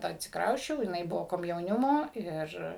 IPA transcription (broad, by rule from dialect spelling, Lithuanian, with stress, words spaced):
ɐtʲsʲɪkˈrɐʊsʲt͡ʃʲɛʊ jɪˈnɐɪ ˈbʊʋoː koːmʲjɛʊˈnʲɪmoː ˈɪr